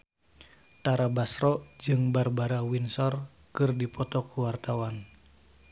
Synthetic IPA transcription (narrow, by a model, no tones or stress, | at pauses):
t̪aɾabasɾɔd͡ʒɨŋbarbaɾawinsɔr | kɨrdipɔt̪ɔkuwart̪awan